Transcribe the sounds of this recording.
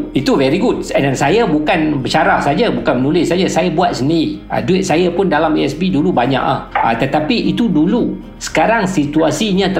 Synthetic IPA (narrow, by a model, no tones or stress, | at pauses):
it̪uvɛɾiɡut̚ɛnãnsajabukanbət͡ʃaɾahsad͡ʒabukanmənulɪsad͡ʒasajabuat̪̚səndiɾia̰duɪt̪̚sajapʊndalamiɛsbidulubaɲa̰ʔa̰hat̪ət̪apiʔit̪udulu | sə̥kaɾaŋsit̪uasiɲãt̪ə